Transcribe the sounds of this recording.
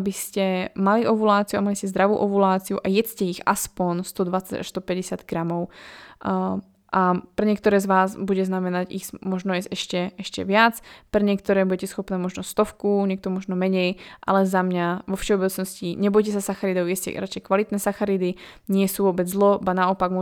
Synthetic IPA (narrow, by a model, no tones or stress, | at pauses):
abiscɛmaliʔɔʋulaːt͡siuamaliscɛzd̪ɾaʋṵːʔɔʋulaːt͡siuʔajɛt͡scɛixa̰spɔnst̪ɔd̪ʋat͡saca̰ʃst̪ɔpɛɟɛsad̪ɡɾamɔʊ | ʔapɾɛɲɪɛkt̪ɔɾɛːzʋaːzbuɟɛznamɛnaɟismɔʒnɔjɛsɛʃcɛɛʃcɛ̰ʋɪat͡spɾɛɲɪɛk̚t̪ɔɾɛːbuɟɛcɛsxɔpnɛːmɔʒnɔst̪ɔfkuɲɛk̚t̪ɔmɔʒnɔmɛɲɛjʔa̰lɛzamɲaʋɔfʃɛɔbɛt͡snɔsciɲɛbɔjcɛsasaxaɾid̪ɔʊjɛscɛ̰ɾat͡ʃɛjkʋalit̪nɛːsaxaɾid̪i | ɲɪɛsuːʋɔbɛd͡zzlɔbanaɔpaɡmɔ